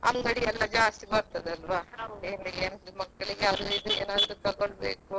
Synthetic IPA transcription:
ɐ̰mɡɐɽiɛlːɐd͡ʒaːst̪iɡbɐɾt̪ɐd̪ɐlʋaːeːnlieːnmɐkːɐɭiɡeɐd̪uid̪ueːnaːd̪ɾuk̪ɐɡoɭbḛːku

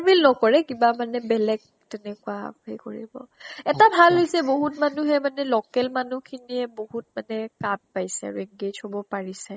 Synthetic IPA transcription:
milnɔkɔɹɛkibamanɛbɛlɛɡ̚ | tɛnɛkʊahekoɹḭbɔ̰ɛtabʱalɦojsɛboɦutmanuɦɛmanɛlɔkɛlmanukʰiniɛboɦut̚manɛkab̚pajsɛ̰ɹɛŋɡed͡ʒhobɔpaɹisɛ

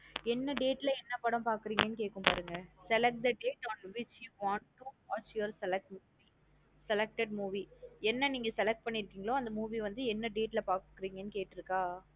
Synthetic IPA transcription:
ɛnːɐɖeːʈːɪlɐɛnːɐpːɐɽɐ̃mpaːɾkɯɾiːŋɡɐnːɯkeːʈ̚kːɯ̃mpaːɾɯŋɡɐsɛlɛk̚ʈ̚d̪ɐɖeːʈɔːnʋɪt͡ʃjuːʋãːɳʈʈːuaːt͡ʃjoɾsɛlɛk̚ʈmuːi | sɛlɛk̚ʈɛɖmuːʋiɛnːɐniːŋɡɐsɛlɛk̚ʈ̚pɐɳːɪɾɯkːiːŋɡɐɭõːɐnd̪ɐmuːʋiʋɐnd̪ɯɛnːɐɖeːʈːɪlɐpaːɾkkːɯɾiːŋɡɐnːɯkeːʈːɪɾɯkːaː

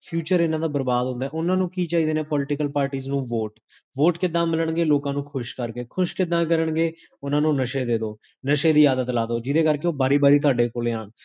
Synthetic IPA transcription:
pʰjuːt͡ʃəɾɪnãːd̪aːbəɾbaːd̪ɦʊ̃nd̪aːɛːʊnãːnũːkiːt͡ʃaːɦiːd̪eːneːpɔːlɪʈɪkəlpaːɾʈiːznũːʋoːʈ | ʋoːʈkɪd̪ãːmɪləɳɡeːloːkãːnũːkʰʊʃkəɾkeːkʰʊʃkɪd̪ãːkəɾəɳɡeː | ʊnãːnũːnəʃeːd̪eːd̪oː | nəʃeːd̪iːaːd̪ət̪laːd̪oːd͡ʒɪd̪eːkəɾkeoːbaːɾiːbaːɾiːt̪ʊaːɖeːkoːleːaːɳ

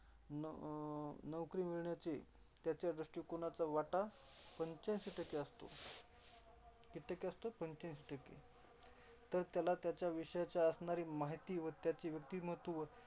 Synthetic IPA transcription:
n | nəʋkɾiːmiɭɳjat͡ɕe | t̪jat͡ɕjad̪ɾəʂʈiːkoɳ̃at͡saʋaʈapəɲt͡ɕãnɕeʈəkeəst̪o̰ | kiʈəkeəst̪opəɲt͡ɕãnɕeʈəkḛ | t̪əɾt̪jalat̪jat͡ɕjaʋiʂəjat͡ɕjaəsɳaɾiːmaɦit̪iːʋət̪jat͡ɕiʋjək̚t̪iːməɦt̪ʋə

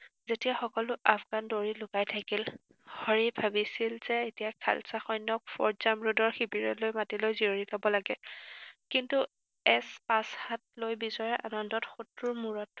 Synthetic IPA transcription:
zetiaxɔkɔlʊʔapʰɡandoɹilʊkajtʰakil | hɔɹibʱabisilz̥ɛetijakʰa̰lsaxɔjnːɔk̚fɔ̰ɹzamɹudɔɹxibiɹɔlojmatilojzioɹipabɔlaɡɛ | kintu | ɛspashat̚lojbizɔɹɛʔanɔndɔtxutɹuɹmuɹɔt

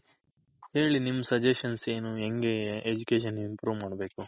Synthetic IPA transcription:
he̞ːɭinimːsɐd͡ʒeʃɐnse̞ːnueŋɡeeʔed͡ʒukeːʃɐnimpɾuːʋmaːɖɐbe̞ːku

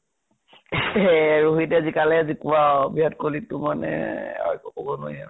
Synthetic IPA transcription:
ɹoɦitɛzikalɛazikʊabiɦatkolitʊmanɛ̰a̰jkɔkobɔnojaɹ

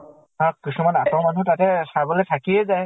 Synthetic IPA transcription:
akːisumanatɔmanutatɛsabɔlejtʰakijɛzaj

